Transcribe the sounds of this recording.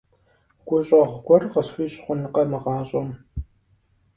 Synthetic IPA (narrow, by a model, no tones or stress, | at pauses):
ɡ̥ʷʊɕʼɐʁʷɡʷɔrʁɐswiːɕʼχʷʊnɨqɐmɨʁɑːɕʼom